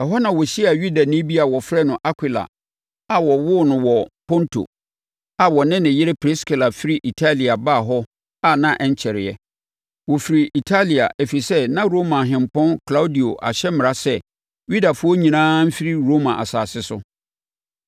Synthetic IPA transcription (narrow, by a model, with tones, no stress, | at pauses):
ɛ˨ɦɔ˦nã˨wɔ˨ɕi˦a˨ɥu˦da˨nĩ˦bi˦a˨wɔ˨fɾɛ˦nʊ̃˨ʔa˦kʰʷi˨la̰˨ | a˨wɔ˨wʊ˦nʊ̃˨wɔ˨pʰɔ̃˦ntʰo̰˨ | a˨wɔ˨nɪ̃˦nɪ̃˨jɪ˦ɾɪ˦pʰɾɪ˦skɪ˨la˨fi˦ɾi˦ʔi˨tʰa˦li˨a˨baː˦˨ɦɔ˦ | a˦nã˦ʔɛ˦˨ɲ˦t͡ɕʰɛ˨ɾɪ˨ɛ˨ | wɔ˨fi˨ɾi˨ʔi˨tʰa˦li˨a̰˨ʔæ˨fi˨i˨sɛ˦nã˦ɾo˦mã˨ɦɪ̃˨mpɔ̃˦nkʰla˦u˦di˨o˨ʔa̰˨ɕɛ˦mɪ̃˨ɾa˦sɛ˦ | ɥi˦da˨fʊ˦ɔ˦ɲĩ˨nãː˦m̩˦fi˦ɾi˦ɾo˦mã˨ʔa̰˨saː˨sɪ˦sʊ˦